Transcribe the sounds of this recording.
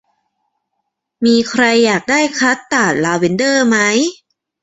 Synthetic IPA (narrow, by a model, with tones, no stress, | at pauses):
miː˧kʰɾa˧jːaː˨˩k̚daː˥˩jkʰɾa˦˥t̪ːaː˨˩t̪̚laː˧we˩˦ndɤː˥˩ma˦˥j